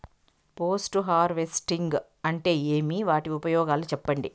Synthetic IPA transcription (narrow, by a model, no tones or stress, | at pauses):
poːsʈuɦaːɾʋesʈiŋɡ | ɐɳʈe̞ːeːmiʋaːʈiupɐjɔːɡaːlut͡ʃɛpːɐɳɖi